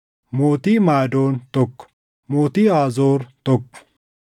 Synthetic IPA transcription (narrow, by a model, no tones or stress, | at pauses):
moːt̪iːmaːd̪oːnt̪ɔkː | moːt̪iːaːzoːɾt̪ɔkːʊ̥